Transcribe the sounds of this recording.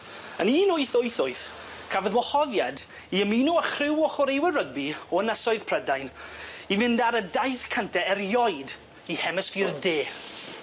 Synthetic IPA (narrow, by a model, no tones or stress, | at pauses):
əniːnʊjθʊɨθʊɨθ | kʰavəðwɔhɔðjad | iəmiːnuəχrɪwɔχɔɾejwərəɡ̚biɔənəsɔɨðpʰrɛdajnivɪndaɾədajθkʰantʰɛɛrjɔɨd | ihɛmɛsfiːrdeːθ